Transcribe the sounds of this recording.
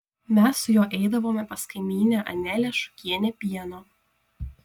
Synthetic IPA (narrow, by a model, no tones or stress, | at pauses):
mʲɛsːʊjoːʔɛɪd̪ɐʋoːmʲɛpɐskɐɪmʲiːnʲæʔɐ̰nʲæːlʲɛʃʊ̥kʲiɛnʲɛpʲiɛnoː